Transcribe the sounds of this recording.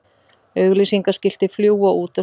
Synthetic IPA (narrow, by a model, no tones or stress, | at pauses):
œːɣlisiŋkascɪl̥t̪ɪfljuːwaʔuːt̪a